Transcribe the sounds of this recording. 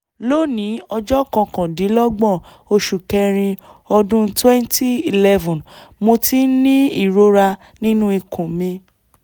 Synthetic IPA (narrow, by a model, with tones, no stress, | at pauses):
lo˦nĩ˨˦ɔ˧d͡ʒɔ˦kɔ̃˧kɔ̃˨di˨˦lɔ˦ɡ͡bɔ˦˨ | o˧ʃu˨kɛ˧ɾ̃ĩ˧ɔ˧dũ˦twɛ̃˦nti˦i˨lɛ˦vɔ̃˨nmo˧ti˦nĩ˦i˦˨ɾo˧ɾa˧ | nĩ˦nũ˦i˧kʰũ˨mĩ˧